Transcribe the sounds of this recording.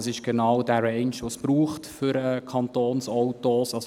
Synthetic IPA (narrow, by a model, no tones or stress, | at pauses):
sɪʃɡ̥ɛnɑʊdæɾɛɪnʃʋosb̥ɾuːχtfʏɾɛkʰɑntoːnsɔwtosɑs